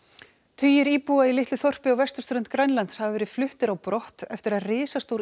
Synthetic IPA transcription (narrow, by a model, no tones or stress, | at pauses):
t̪ʰyːjɪɾiːpuailɪht̪ʏθɔr̥pɪawvɛst̪ʏ̥st̪ɾʏnt̪kɾajnlant̪shavɪvɛːɾɪðflʏht̪ɪɾawpɾɔht̪ɛft̪ɪɾaðrɪːsast̪owɾ